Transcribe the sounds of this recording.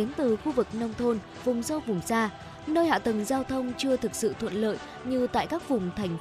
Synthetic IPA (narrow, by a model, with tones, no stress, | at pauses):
e˨˦nt̪ɨ˨˩xu˧vɨ˨˩k̚nə˧wŋ͡mt̪ʰo˧n | vʊ˨˩ŋ͡mzə˧wɓʊ˨˩ŋ͡msaː˧ | nəː˧jha̰ː˧˨t̪ə˨˩ŋzaː˧wt̪ʰə˧wŋ͡mt͡ɕɨ˧ət̪ʰɨ˨˩k̚sɨ̰˧˨t̪ʰwə̰˧˨nlə̰ː˧˨j | ɲɨ˧t̪a̰ː˧˨jkaː˦˥k̚vʊ˨˩ŋ͡mt̪ʰa˨˩jŋ̟